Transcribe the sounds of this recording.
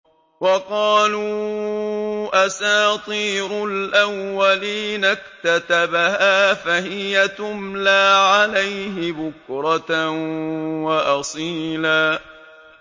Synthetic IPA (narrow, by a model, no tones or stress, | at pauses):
wɑqɑːluː | ʔasaːt̪ˤiːɾʊlʔawːaliːnakt̪at̪abahaːfahɪjat̪ʊmlaːʕalajɦɪbʊkɾˤɑt̪ | wɑʔɑsˤiːlaː